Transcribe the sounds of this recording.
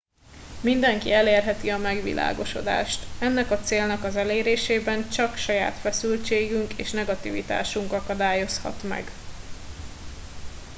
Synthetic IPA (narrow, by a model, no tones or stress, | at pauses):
mind̪ɛŋkiɛleːrɦɛt̪iɒmɛɡʋḭlʔa̰ːɡo̞ʃo̞d̪a̰ːʃt̪ɛnːɛkɒt̪seːlnɛkɒzɛleːɾeːʃeːbɛnt͡ʃɒkʃɒja̰ːt̪fɛsylt͡ʃeːɡyŋkeːʃnɛɡɒt̪ḭvḭt̪a̰ːʃuŋkɒkɒd̪aːjo̞shɒ̰t̪mɛ̰ɡ